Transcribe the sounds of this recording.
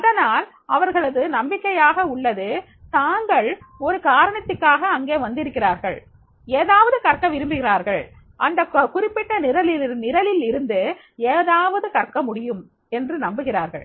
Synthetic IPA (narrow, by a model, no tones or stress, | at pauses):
ɐðɐnaːl | ɐʋɐɾɣɐɭɐðɯnɐmbɪkːɐjaːɣɐʊɭːɐðɯ | t̪aːŋɡɐɭɔɾɯkaːɾɐɳɐt̪ːɯkːaːɣɐːŋɡeːʋɐnd̪ɪɾɯkːɪraːɾɣɐɭ | eːðaːʋɐðɯkɐrkːɐʋɪɾɯmbɪɣɪraːɾɣɐɭ | ʔɐnd̪ɐkkʊrɪpːɪʈːɐnɪɾɐlɪnɪɾɐlɪlɪɾɯnd̪ɯ | eːðaːʋɐðɯkɐrkːɐmʊɽɪjɯm | ɛndrɯnɐmbɯɣɪraːɾɣɐ̰ɭ